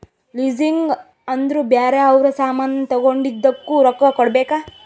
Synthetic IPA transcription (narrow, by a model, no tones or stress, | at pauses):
liːd͡ʒiŋɡ | ɐnd̪ɾubjaːɾeɐʋɾɐsaːmanɐt̪ɔɡoɳɖid̪ːɐkːuɾɔkːɐkɔɽbeːkaː